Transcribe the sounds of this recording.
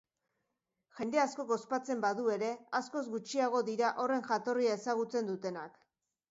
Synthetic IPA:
ʝe̞nd̪e̞asko̞ɣo̞spat͡se̞mbaðue̞ɾe̞asko̞zɡut͡ʃiaɣ̞o̞ðiɾaʔo̞re̞ŋʝat̪o̞riae̞saɣ̞ut͡se̞nd̪ut̪e̞nak

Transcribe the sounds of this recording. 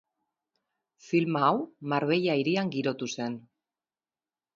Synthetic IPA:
filmaːwmaɾβe̞ʎaiɾiaŋɡiɾo̞t̪use̞n

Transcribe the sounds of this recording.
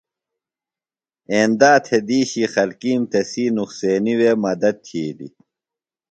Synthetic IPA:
eːnd̪aːt̪ʰed̪iːɕiːxɐlkiːmt̪ɐsiːnuxseːniweːmɐd̪ɐd̪̚t̪ʰiːlḭ

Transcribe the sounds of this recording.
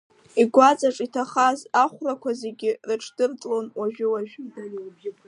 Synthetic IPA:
iɡʷat͡sʼaʈ͡ʂʼitʰaχazaχʷrakʷʰaze̞ɡʲɪrɨʈ͡ʂʰʼd̥ɨrt͡sʼlonwaʒᶣɪwaʒᶣ

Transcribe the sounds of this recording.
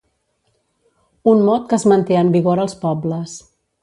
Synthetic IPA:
unmɔt̪̚kəzmənt̪eəmbiɣoɾəlˠspɔbləs

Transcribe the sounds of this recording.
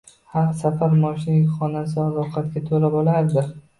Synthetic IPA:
haɾsafaɾmɒʃɪnɪχɒnasɪɒlˠɒqʰɑt̪kʲat̪ʰolabɒlaɾd̪ɪ

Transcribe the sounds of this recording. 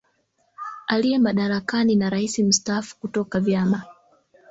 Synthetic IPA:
aliɛmaɗaɾakaninaɾaisim̩staːfu̥kutɔkavjama

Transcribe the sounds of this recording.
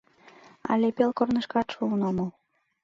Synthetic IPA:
ɑ̰lʲepelkornɤ̆ʃkɑt̪ʃulnomɤl

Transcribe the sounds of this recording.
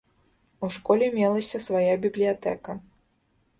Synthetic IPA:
uʂkɔlʲɛmʲɛlˠɐsʲɐsvajabʲiblʲijat̪ɛ̰kɐ

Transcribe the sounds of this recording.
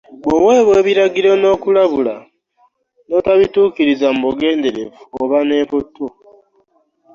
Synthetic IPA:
oweːβwe̞ːβiɾaɡiɾo̞no̞ːkulaβula | no̞taβituːkiɾizam̩βoɡe̞ːnde̞ɾe̞vuoβane̞ːpotːo

